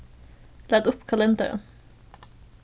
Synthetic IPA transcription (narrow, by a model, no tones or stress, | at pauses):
læːd̪ɵpːkʰalɛnd̪a̰ɾə̰n